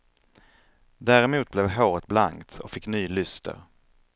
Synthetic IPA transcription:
d̪æːɾɛmuːt̪̚blɛvɦoːɾət̪̚blaŋkt̪ʰɔkfɪkːnyːlʏst̪ʰə̰ɾ

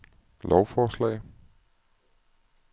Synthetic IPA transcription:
lɒʊfɒːslɛ̰ɪ

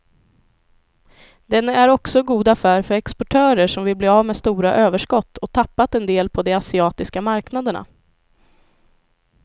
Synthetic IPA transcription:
d̪ɛnæɾɔksɔɡuːd̪afæːɾfœɾɛkspɔʈʰœːɾəʂɔmvɪlbleːaːvmeːst̪uːɾaʔøːvəʂkɔt̪ːɔt̪ʰapːat̪ɛnd̪eːlpʰɔd̪ɛasɪɑːt̪ɪskamaɾknad̪əɳa̰

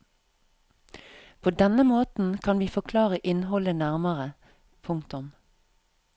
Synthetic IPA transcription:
pʰoːd̪ɛnəmoːt̪n̩kʰɑnʋiːfɔkʰlɑːʁəʔɪnhɔlənæʁməʁə | pʰʊŋkt̪ʊm

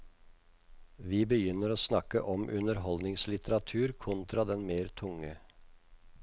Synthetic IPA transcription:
ʋiːbəjʏnəɾoːsnɑkə̰ʔɔmʔʉnəɾɦɔld̪nɪŋslɪt̪ʰəɾɑt̪ʰʉːɾkʰɔnt̪ɾɑd̪ɛnmeːɾt̪ʰʊŋə

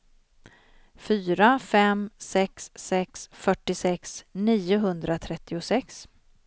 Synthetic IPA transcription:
fyːɾafɛmsɛksːɛksfœʈːɪsɛksniːʊɦɵnd̪ɾat̪ʰɾɛt̪ʰːɪʊsɛks

